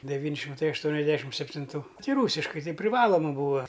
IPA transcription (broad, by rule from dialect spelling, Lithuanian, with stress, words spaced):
dʲɛˈʋʲiːnʲ ʃʲɪmˈtɐɪ ɐʃˈtuɔnʲɛzʲˌdʲæːʃʲɪm sʲɛpʲtʲɪnˈtuː ˈtʲɪ ˈruːsʲɪʃkɐɪ ˈtɐɪ pʲrʲɪˈʋɑːlˠoːmɐ ˈbuːɐ